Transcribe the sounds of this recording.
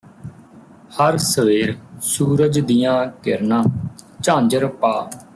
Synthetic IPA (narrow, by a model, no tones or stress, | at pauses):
həɾsəʋeːɾsuːɾəd͡ʒd̪ɪjãːkɪɾnãːt͡ʃãːɲd͡ʒəɾpaː